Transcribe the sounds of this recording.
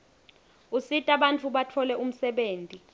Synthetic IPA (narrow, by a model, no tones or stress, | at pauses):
usitʼaɓant͡fʰuɓatʰɔlɛum̩sɛɓeːntʼi